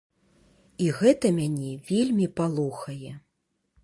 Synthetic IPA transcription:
iɣɛt̪ɐmʲanʲɛvʲelʲmʲipalˠuxɐjɛ

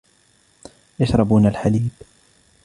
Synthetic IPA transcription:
jaʃɾˤɑbuːnalħaliːb

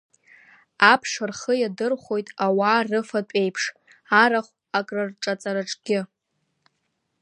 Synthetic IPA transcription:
apʰʂɨrχəjadɨrχʷo̞jtʼawaːrɨfatʷʼe̞jpʰʂ | aɾaχʷ | akʼrɨrʈ͡ʂʼat͡sʼaɾaʈ͡ʂʼɡʲɪ

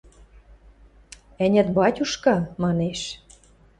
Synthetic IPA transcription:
ɘ̆nʲɘ̆t̪bɑtʲuʃkɑmɑneʃ

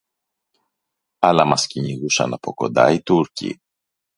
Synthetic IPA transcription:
ɐlɐmɐsciɲiɣusɐ̰nɐpo̞ko̞̰nd̪ɐit̪uɾcḭ

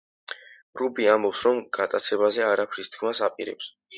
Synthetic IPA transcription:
ɾubiambɔpsɾɔmɡ̥at̪ʼat̪sʰɛβazɛaɾapʰɾist̪kʰmasapʼiɾɛ̰ps

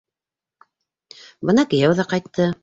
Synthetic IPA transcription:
bɤnɑkɘ̆jæwðɑqɑjt̪ʰːɤ

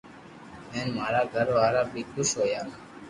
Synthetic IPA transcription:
ɛnmaɾaɡʱaɾoaɾabik̪ːusojan

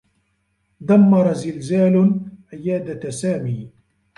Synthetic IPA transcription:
d̪amːɑɾˤɑzɪlzaːlʔɪjaːd̪asaːmiː

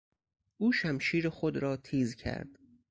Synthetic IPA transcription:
ʔuːʃæmʃiːɾexod̪ɾɒːt̪ʰiːzcʰæ̰ɾd̪̥

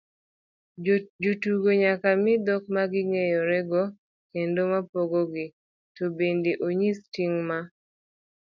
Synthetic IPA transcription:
d͡ʒotuɡoɲakamɪd̪ɔk̚maɡɪŋejɔɾɛɡɔ | kendomapoɡoɡɪ | tobendeʔoɲistiŋma

